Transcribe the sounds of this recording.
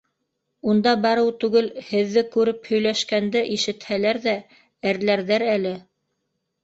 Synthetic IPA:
und̪ɑbɑɾɤwt̪ʉɡɘlhɘ̆ðːɘkʉɾɘphɵ̆jlæʃkænd̪ɘʔiʃɘ̆t̪hælæɾðæ | æɾlæɾðæɾælɘ

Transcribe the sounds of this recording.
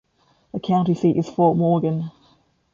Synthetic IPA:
ðəkʰãʊ̃ntisiˑtɪz̥fɔˑʔmɔːɡə̃n

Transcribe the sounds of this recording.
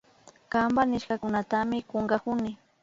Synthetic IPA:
kambanɪʃkakʊnat̪amɪkoŋɢakʊnɪ

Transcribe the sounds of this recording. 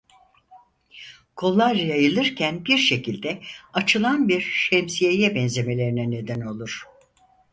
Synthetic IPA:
kʰo̞lˠːaɾjajɯlˠɯɾcʰænbiɾʃe̞cʰilʲd̪ɛat͡ʃʰɯlˠanbiɾʃemsijejɛbɛnze̞me̞lʲe̞ɾinɛne̞d̪æno̞lˠuɾ̥

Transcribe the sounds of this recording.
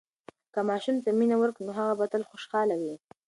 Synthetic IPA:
kamɑʃumt̪aminawəɾknoɦaɣabat̪əlxoʃxɑlawi

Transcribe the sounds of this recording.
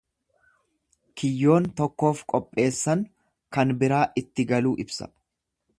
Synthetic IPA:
kʰɪjːo̞ːnt̪ɔkːo̞ːfkʼɔpʼːe̞ːsːɐŋ | kɐnbɪɾaːʔɪt̪ːɪɡɐluːʔɪbsɐ̰

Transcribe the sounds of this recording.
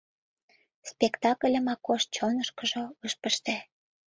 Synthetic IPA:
spekt̪ɑkə̆lʲə̆mɑkːoʃ̚t͡ɕonəʃkə̆ʒoɤʃpə̆ʃt̪æ

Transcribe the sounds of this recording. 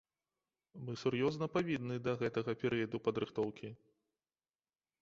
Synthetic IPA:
mɨsurjɔznɐpavʲid̪nɨd̪ɐɣɛt̪ɐɣɐpʲɛɾɨjɐd̪upɐd̪ɾɨxt̪ɔwkʲi

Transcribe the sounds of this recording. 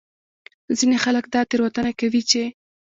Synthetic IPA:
zinexaləkd̪ɑt̪eɾwat̪ənakawit͡ʃe

